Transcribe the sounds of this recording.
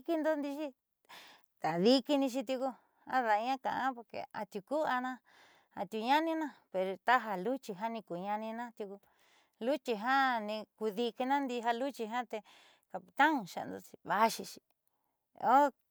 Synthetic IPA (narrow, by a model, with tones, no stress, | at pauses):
ki˧nd̪o˦nd̪i˧ʃi˦ | t̪a˨ði˧ki˧nĩ˧ʃ̬i˧t̪̬ju˧ku˧ | a̰˦ða˨˧ɲã˦kã̰˨ʔã˦po˧ɾkḛ˧a̰˧t̪ju˧ku˦a˧nã˦ | a˧t̪u˧ɲã˦nĩ˦nã˦pe˧ɾo˧t̪a˦ɦa˧lu˦t͡ʃi˧ɦa˦nĩ˧ku˨ɲã˧nĩ˧nã˦t̪ju˧ku˧ | lu˦t͡ʃi˧ɦa˦nĩ˧ku˧ði˧ki˧nã˦nd̪i˧ɦa˧lu˦t͡ʃi˧ɦã˦t̪e˧ | ka˨pi˧t̪ã˦ŋ˨ʃa̰˨˧nd̪o̰˧t͡ʃi̥˧βa˦ʃi˧ʃi˧ | o˦